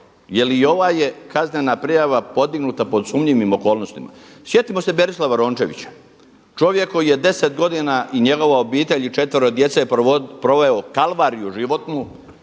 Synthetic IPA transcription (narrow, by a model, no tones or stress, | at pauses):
jeliːo̞ʋaːje̞kaznenapɾijaʋapo̞d̪iɡnut̪apod̪sumɲiʋimo̞ko̞ːlˠno̞st̪ima̰sje̞t̪imo̞sebe̞ɾislaʋaɾoːnt͡ʃe̞̰ʋḭt͡ɕḁ | t͡ʃo̞ʋje̞kːo̞jije̞d̪e̞set̪ɡo̞d̪inaʔiɲe̞ɡo̞ʋao̞biːt̪e̞ʎit͡ʃe̞t̪ʋoɾod̪je̞t̪sepɾo̞ʋeokalʋaːɾijuʒiʋo̞t̪nu